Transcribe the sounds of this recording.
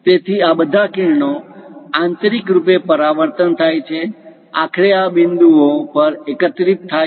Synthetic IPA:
t̪et̪ʰiabəd̪ʱakiɳɳoãnt̪ɾikɾupepəɾaʋəɾt̪ənt̪ʰajt͡ʃʰe | a̰kʰɾeabɪnd̪uopəɾekət̪ɾit̪ʰːa

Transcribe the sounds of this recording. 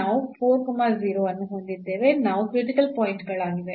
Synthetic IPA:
aːʋupʰoːɾkɐmaziːɾoːɐnːuɦond̪id̪ːe̞ːʋe̞naːʋukɾiʈikɐlpaːjiɳʈɡɐɭaːɡiʋe

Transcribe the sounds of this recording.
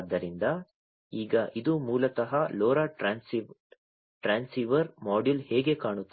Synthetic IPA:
d̪ːɐɾind̪ɐ | iːɡɐʔid̪umuːlɐt̪ɐɦɐloːɾaːns | ʈɾaːnsiʋɐɾmaːɖilhɛːɡe̞kaːɳut̪ː

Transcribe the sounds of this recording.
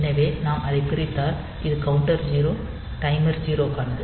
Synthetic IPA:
nɐʋeːnaːmʔɐðɐɪpɪɾɪt̪ːaːl | ɪðɯkɐʋʊɳʈɐɾd͡ʒiːɾoː | ʈɐɪmɐɾd͡ʒiːɾoːkaːnɐd̪ɯ

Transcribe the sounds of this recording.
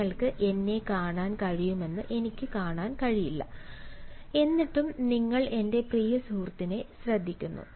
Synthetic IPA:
ɐɭkɨʔe̞nːe̞kaːɳaːnkɐɻijume̞nːɨʔe̞nikʲːɨkaːɳaːnkɐɻijilːɐ̰ | e̞nːiʈːumniŋːɐɭe̞nde̞prijɐsuːrt̪ːine̞ɕrɐd̪ʱːikʲːunːṵ

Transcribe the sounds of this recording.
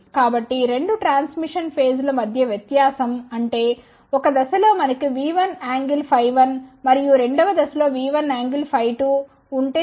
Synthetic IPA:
kaːbɐʈːiɾe̞ɳɖuʈɾaːnsmiʂɐnpʰe̞ːslɐmɐd̪ʱjɐʋjɛt̪jaːsɐmɐɳʈeː | ɔkːɐd̪ɐsɐloːmɐnɐkːuʋiːʋɐnaːŋɡilpʰɐjʋɐnmɐɾijuɾeɳɖɐʋɐd̪ɐsɐloːʋiːʋɐnaːŋɡilpʰɐjʈuː | ɳʈeː

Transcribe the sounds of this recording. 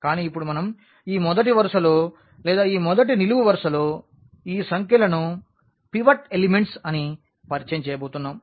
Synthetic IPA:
kaːniːipːuɽumɐnɐm | iːmɔd̪ɐʈ̬iʋɐɾɐʂɐloː | lɛːd̪aːiːmɔd̪ɐʈ̬iniluʋuʋɐɾʂɐloː | iːsɐŋkjɐlɐnu | piʋɐʈelimeɳʈsɐni | pɐɾt͡ʃɐɲt͡ʃɛːjɐbɐwt̪unːaːm

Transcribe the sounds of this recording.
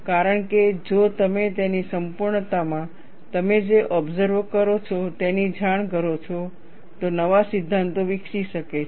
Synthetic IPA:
kaɾəɳked͡ʒot̪əmet̪enisəmpuɾɳət̪amã | t̪əmed͡ʒeʔɔbzəɾʋkəɾot͡ʃʰɔt̪enid͡ʒʱaɳ̃kəɾot͡ʃʰɔ | t̪onəʋasɪd̪ʱːãnt̪oʋɪkʃiʃəke

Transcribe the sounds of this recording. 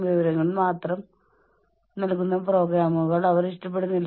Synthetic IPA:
ʋiʋɐɾɐŋːɐɭmaːt̪rɐm | nɐlkːunːɐpro̞ːɡɾaːmuɣɐɭɐʋɐɾiʂʈɐp̬ːe̞ɽunːɐl

